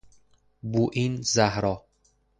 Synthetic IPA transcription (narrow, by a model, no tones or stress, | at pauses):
buʔinzæhɾɒː